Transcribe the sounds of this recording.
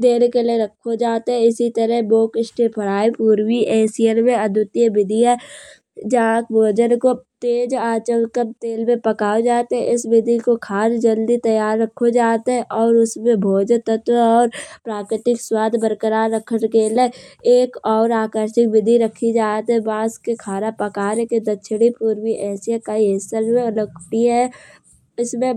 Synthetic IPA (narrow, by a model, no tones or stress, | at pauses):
d̪eːɽkeleɾɐkʰːod͡ʒaːt̪ɦɛ̃ɪsit̪əɾəɦboːkɪsʈʰepʰɐɾaːipuːɾwiʔɛːsijəlmẽɐd̪ʱʊt̪jəbɪd̪ʱiɦɛ | d͡ʒakbʱoːd͡ʒənkot̪eːd͡ʒaːt͡ʃəlkəmt̪eːlmẽpɐkaːod͡ʒaːt̪ɦɛ̃ʔɪsbɪd̪ʱikokʰaːsd͡ʒəld̪it̪ɐjaːɾːəkʰːod͡ʒaːt̪ɦɛ̃ʔɔːɾʊsmẽbʱoːd͡ʒt̪ət̪wəɔːɾpɾaːkɪʈɪkswaːd̪ʱbəɾkəɾaːɾːəkʰəɽkeːleeːkɔːɾaːkəɾʃɪk̚bɪd̪ʱiɾɐkʰːid͡ʒaːt̪ɦɛ̃bãːskekʰaːɾapəkaːɾeked̪ɐtːʃʰɽipuːɾwiʔɛːsijakaiɦeːsəɾmẽʊləkʈiɦɛ | ɪsmẽ